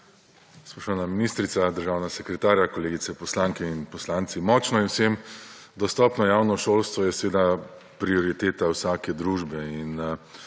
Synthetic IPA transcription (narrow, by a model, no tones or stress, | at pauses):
spɔʃanaminist̪ɾit̪sad̪əɾʒaːwnaɡasɛkɾɛt̪aːɾjakɔleːɡit̪sɛpɔslaŋkɛinpɔslaːnt̪simɔt͡ʃnɔinwsemd̪ɔst̪ɔːpnɔjawnɔʃoːlst̪ʋɔjɛsɛʋeːd̪a | pɾiɔɾit̪eːt̪awsaːkɛd̪ɾuːʒbɛin